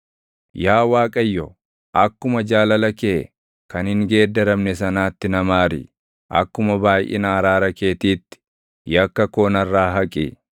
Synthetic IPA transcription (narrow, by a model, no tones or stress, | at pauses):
jaːwaːkʼɐjːɔ | ʔɐkːʊmɐd͡ʒaːlɐlɐkeː | kɐnhɪŋɡe̞ːd̪ːɐɾɐmnɛsɐnaːt̪ːɪnɐmaːɾɪ̰ | ʔɐ̰kːʊmɐbaːjʔɛ̰naɾaːɾɐke̞ːt̪iːt̪ːɪ̥ | jɐkːɐkoːnɐrːaːɦɐkʼḭ